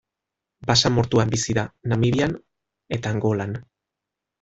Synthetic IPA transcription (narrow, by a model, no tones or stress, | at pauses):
basamo̞ɾt̪uambisiðanamiɾian | e̞t̪aːŋɡo̞lan